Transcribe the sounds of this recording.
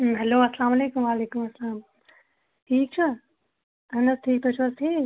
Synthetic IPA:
ɦɛloːɐslaːmɐleːkumʋaːleːkumɐsːɐlaːm | ʈʰiːk̚t͡ʃʰu | ɐnɐt̪̚t̪ʰiːk̚t̪ʰot͡ʃʰʋɐst̪ʰiː

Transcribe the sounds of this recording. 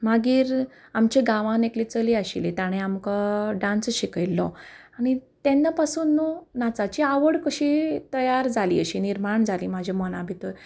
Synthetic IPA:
maɡiːɾamt͡ɕeɡãʋãneklit͡səliaɕilit̪aɽ̃ẽamkaɖãnsɕikilːɔaɽ̃it̪ẽnːapasuːnːunat͡sat͡ɕiaʋəɽkəɕit̪əjaɾd͡zʱalḭəɕiniɾmaɳd͡zʱalimad͡ʑʱamɔnabʱit̪əɾ

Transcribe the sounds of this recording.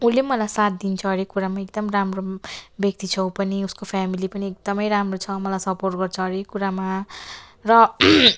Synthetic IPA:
ulemʌlajsat̪̚d̪int͡sʰʌɦʌɾekuɾamaekd̪ʌmramrobjʌk̚t̪it͡sʰʌw̃pʌniuskopʰamilipʌniek̚d̪ʌmʌjɾamrot͡sʰʌmʌlajsʌporʈ̚ɡʌrt͡sʰʌɦʌɾekuɾama | rʌ

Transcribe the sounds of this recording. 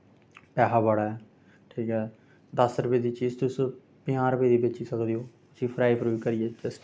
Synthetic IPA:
pɛːɦaːbaɽaːɛː | ʈʰiːkɦɛː | d̪əsɾəpeːd̪iːt͡ʃiːzt̪ʊs | pɪãːɾəpeːd̪iːbet͡ʃiːsəkd̪iːoː | ʊsĩːpʰɾaːipɾuːkəɾɪeːt͡ʃəs

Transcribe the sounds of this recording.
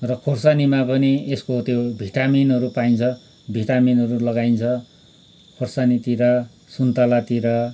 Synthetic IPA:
rʌkʰorsanimapʌnieskot̪jobʱiʈaminʌɾupaint͡sʰʌ | bʱiʈaminɦʌɾulʌɡajnt͡sʰʌ | kʰorsanit̪iɾʌ | sunt̪alat̪iɾʌ

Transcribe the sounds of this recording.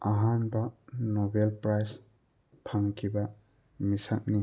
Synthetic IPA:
aɦanbanɔbelpɾajs | pʰaŋkʰiba | misak̚ni

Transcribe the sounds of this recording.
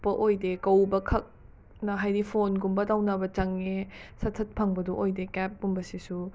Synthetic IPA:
pɐʔojdekɐwbɐkʰɐk̚ | nɐɦajɾipʰonɡumbɐtawnɐbɐt͡ʃɐŋesɐtʰːɐt̚pʰɐŋbɐdoʔojdekɛp̚ːumbɐsisu

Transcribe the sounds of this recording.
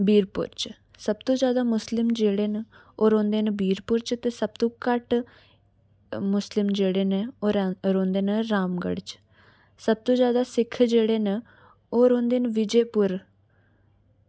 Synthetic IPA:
biːɾpʊ̰ɾt͡ʃ | səb̚t̪õːd͡ʒjaːd̪aːmʊslɪmd͡ʒeːɽeːn | oːɾõːnd̪eːnbiːɾpʊɾt͡ʃt̪eːsəb̚t̪õːkəʈ | mʊslɪmd͡ʒeːɽeːneoːɾɾõːnd̪eːnəɾaːmɡə̰ɽt͡ʃ | səb̚t̪õːzjaːd̪aːsɪkʰd͡ʒeːɽeːn | oːɾõːnd̪eːnʋɪd͡ʒeːpʊɾ

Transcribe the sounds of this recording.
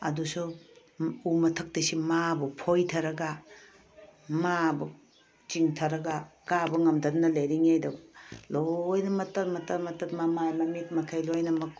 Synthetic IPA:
ɐ̰dusu | umɐtʰɐk̚tisimabupʰojtʰɐɾɐɡa | mabu | t͡ʃiŋtʰɐɾɐɡakabɐŋɐmdɐdnɐlejɾiŋajdɐlojnɐmɐtɐtmɐtɐɾmɐtɐt̚mamajmɐmit̚mɐkʰajlojnɐmɐk

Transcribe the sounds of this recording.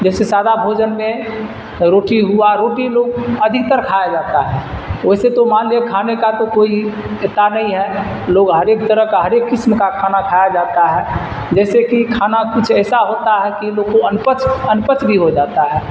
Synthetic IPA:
d͡ʒɛsesaːd̪abʱod͡ʒənmẽ | ɾoʈiɦuaɾoːʈiloːɡəd̪ʱikt̪əɾkʰajad͡ʒat̪aɦɛoɦiset̪omanlekʰanekat̪okoi | et̪ːanəɦĩɦɛ | loɡɦəɾekt̪əɾəɦkaɦəɾekːɪsmkakʰanakʰajad͡ʒat̪aɦɛː | d͡ʒɛːsekikʰanakut͡ʃʰɛːsaɦot̪aɦɛkilokoənpət͡ʃənpət͡ʃbʱiɦod͡ʒaːt̪aɦɛː

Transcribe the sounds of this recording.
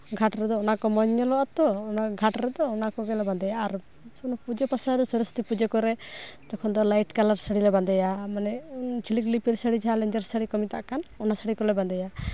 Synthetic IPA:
ɡʱaʈɾɛd̪ɔɔnakɔmɔɲːɔlɔʔat̪ɔɔnaɡʱaʈɾɛd̪ɔːnakɔɡɛlɛbãnd̪ajaːɾ | ɔnɔpud͡ʒɔpasaɾɔsɔɾɔst̪ipud͡ʒɔkɔɾɛt̪ɔkʰɔnd̪ɔlajʈkalaɾsəɽilɛband̪ajamanɛt͡ʃʰiliklipiɾsəɽid͡ʒaalɛɲd͡ʒəɾsəɽikɔmit̪aʔkanɔnasəɽikɔlɛband̪ɛja

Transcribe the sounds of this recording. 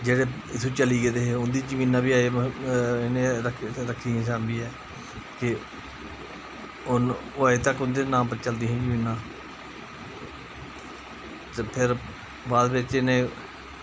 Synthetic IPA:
d͡ʒeːɽeːɪt̪ʰːuːt͡ʃəliːɡed̪eːɦeːʊnd̪iːd͡ʒəmĩːnːãːbiːaːe | ɪnẽɾəkʰɾəkʰːiːɛ̃ːsaːnb̪iːɛː | kɪ | ʊnːaːeːt̪əkːʊnd̪eːnãːmpəɾt͡ʃəld̪iːɦɛ̃ːd͡ʒəmĩːnːãː | t̪epʰɪɾ | ʋaːd̪bɪt͡ʃɪnẽː

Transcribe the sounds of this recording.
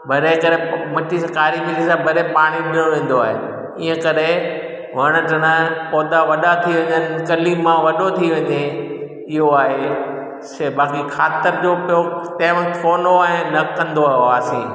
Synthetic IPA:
bʱɐɾekɐɾemɐʈʰiskaːɾimĩkisãbʱɐɾepaːɽ̃iɪɽ̃õʋẽːn̆d̪oaːɦḛ | ɪɦə̃kɐɗe | ʋɐɽ̃əʈɐɽ̃əpɔːd̪aʋɐɗat̪ʰiʋɐ̃ɲənɪ̆kɐlimãʋɐɗot̪ʰiʋɐ̃ɲe | ɪɦoaːɦe | sbaːkikʰaːt̪ɪɾd͡ʑoːpot̪ɐ̃ːɪ̃ʋə̃kt̪foːnoaːɦẽnɐkɐ̃nd̪oaːsĩː

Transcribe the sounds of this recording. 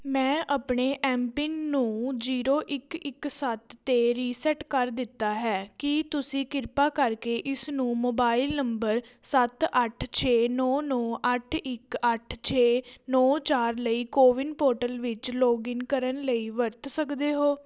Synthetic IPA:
mɛ̃ːʔəpɳeːʔɛːmpɪnːũːd͡ʒiːɾoːʔɪkɪksət̪ːeːɾiːsɛʈkəɾd̪ɪt̪ːaːɦɛːkɪt̪ʊsĩːkɪɾpaːkəɾkeːʔɪsnũːmoːbaːɪlnəmbəɾsət̪əʈʰt͡ʃʰeːnɔːnɔːʔəʈʰɪkəʈʰt͡ʃʰeːnɔːt͡ʃaːɾləiːkoːʋɪnpoːɾʈəlʋɪt͡ʃloːɡɪnkəɾənləiːʋəɾt̪səkd̪eːɦoː

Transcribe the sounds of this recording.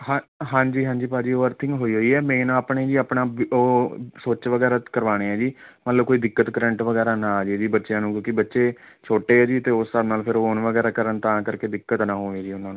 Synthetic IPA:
ɦãɦãːɲd͡ʒiːɦãːɲd͡ʒiːpaːd͡ʒiːoːəɾt̪ʰɪ̃ŋɡɦoːiːɦoːiːɛːmẽːnãːaːpɳeːd͡ʒiːaːpɳaːoːsoːt͡ʃʋəɡɛːɾaːkəɾʋaːɽ̃eːɛːd͡ʒiːmət̪ləb̚koːiːd̪ɪkːət̪kəɾɛ̃ɳʈʋəɡɛːɾaːnãːd͡ʒid͡ʒiːbətːʃjãːnũːkjõːkibətːʃeː | t͡ʃʰoːʈeːɛːd͡ʒiːt̪eːʊsːəbnaːlpʰɪɾooːnʋəɡɛːɾaːkəɾənt̪ãːkəɾkeːd̪ɪkːət̪nãːɦõːeːd͡ʒiːʊnãːnũː

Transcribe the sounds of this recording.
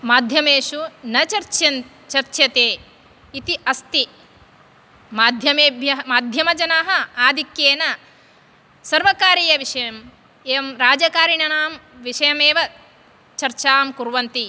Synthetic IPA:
maːd̪ʱjɐmeːʃunɐt͡ʃɐɾt͡ʃɐn | t͡ʃɐɾt͡ʃjɐt̪eː | it̪iʔɐst̪i | maːd̪ʱjɐmeːbʱjɐɦmaːd̪ʱjɐmɐd͡ʒɐnaːɦɐ̆aːd̪ikjeːnɐ | sɐɾʋɐkaːɾijɐʋiʂɐjɐm | eːʋɐmɾaːd͡ʒɐkaːɾiɳɐnaːmʋiʂɐjɐmeːʋɐ | t͡ʃɐɾt͡ʃaːmkuɾʋɐnt̪i

